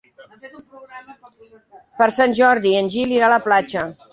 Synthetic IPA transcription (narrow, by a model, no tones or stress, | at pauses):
pəɾsanʲʒɔɾðiənʲʒiliɾaləplat͡ʃə